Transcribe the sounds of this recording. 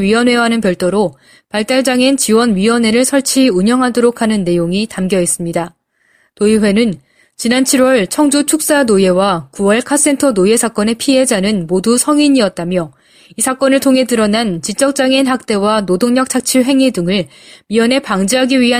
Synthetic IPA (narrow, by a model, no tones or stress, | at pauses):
ɥiwʌnwe̞ɦanɯnpjʌɭt͈oɾo | paɭt͈aɭd͡ʑaŋent͡ɕiwʌnɥiwʌne̞ɾɯɭsʰʌɭt͡ɕʰiuɲjʌŋɦadoɾokʰanɯnːe̞joŋitamɡjʌɦes͈ɯmɲida | toiɸwe̞nɯn | t͡ɕinant͡ɕʰiɾwʌɭt͡ɕʰʌŋd͡ʑot͡ɕʰuk̚s͈anoje̞wakuwʌɭkʰas͈e̞ntʰʌnoje̞sʰak͈ʌne̞pʰie̞d͡ʑanɯnmodusʰʌŋiɲiʌt̚t͈amjʌ | isʰak͈ʌnɯɭtʰoŋɦe̞dɯɾʌnant͡ɕit͡ɕ͈ʌk̚t͡ɕ͈aŋenɦak̚t͈e̞wanodoŋɲʌk̚t͡ɕʰak̚t͡ɕʰiɭɦe̞ŋidɯŋɯɭ | miʌne̞paŋd͡ʑiɦaɡiɥiɦa